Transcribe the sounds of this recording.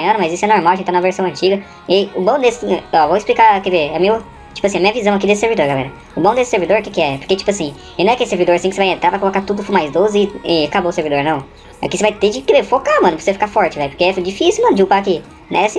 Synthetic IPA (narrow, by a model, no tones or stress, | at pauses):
mɐ̃nʊmɐazisʊɛnoɾmawɐẽt͡ʃɪt̪ãmɐveɾsɐ̃w̃ɐ̃nt͡ʃiɡɐ | ɪʊbɐ̃w̃d̪esɪɛɔvoɪsplikakeveɛmiʊ | t͡ʃipʊasĩɐmĩɲɐvizɐ̃w̃ɐkid̪esɪseɾvid̪oɾɡalɛ̰ɾɐ | ʊbɐ̃w̃d̪esɪ̥seɾvid̪oɾukekɪɛpoɾket͡ʃi̥pʊasĩ | enɐ̃ɛakelɪseɾvid̪oɾasĩkɪsevajẽnt̪ɾaɾvajkolokat̪ud̪ʊfumajzd̪ozɪɪɛakaboseɾvid̪oɾnɐ̃w̃ | a̰kisevajt̪ed͡ʒɪkevefokamɐ̃nʊpɾseɐfi̥kafɔɾt͡ʃɪvɛjpo̥ɾkeɛfd͡ʒifisiwmɐ̃nʊd͡ʒɪupaːki | nɛ̃ɛsĩ